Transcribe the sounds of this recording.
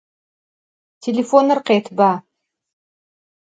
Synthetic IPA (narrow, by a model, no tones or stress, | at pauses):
tʲʰelʲefonɨrqet̪ba